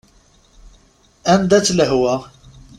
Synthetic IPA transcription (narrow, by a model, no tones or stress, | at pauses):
ænd̪æt͡sːləɦwæ